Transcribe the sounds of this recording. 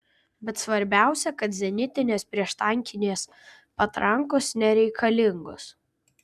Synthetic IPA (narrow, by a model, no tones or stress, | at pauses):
bʲɛt̪sʋɐɾʲbʲæˑʊsʲɛkɐt̪zʲɛnʲɪt̪ʲɪnʲɛspʲɾʲiɛʃt̪ɐŋʲkʲɪnʲeːs | pɐt̪ɾɐŋkʊsnʲɛɾʲɛɪkʰɐlʲɪŋɡʊs